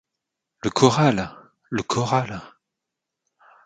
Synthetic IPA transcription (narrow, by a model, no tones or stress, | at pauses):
ləkʰɔʁalː | əkʰɔʁal